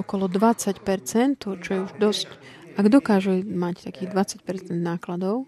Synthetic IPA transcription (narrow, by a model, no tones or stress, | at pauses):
ɔkɔlɔd̪ʋat͡sacpɛɾt͡sɛnt̪ɦɔt͡ʃɔjɛuʒd̪ɔsc | ʔaɡd̪ɔkaːʒɛmact̪akiːɣd̪ʋat͡sac̚pɛɾt͡sɛnd̪naːklad̪ɔʊ